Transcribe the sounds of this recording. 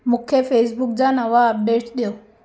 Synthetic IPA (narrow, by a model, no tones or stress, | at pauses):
mukʰefesbuk̚d͡ʑanaʋaːp̚ɖeʈɗjo